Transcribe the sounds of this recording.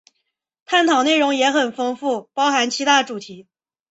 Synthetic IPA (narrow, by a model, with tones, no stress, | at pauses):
t̪ʰa˥˩nt̪ʰɑ˨˩ne˥˩ɪɻʊ˧˥ŋjɛ˧˥xə˨˩nfɤ˥ŋfu˥˩pɑ˥ʊxa˧˥nt͡ɕʰi˧˥t̪ʰa˥˩ʈ͡ʂu˨˩t̪ʰi˧˥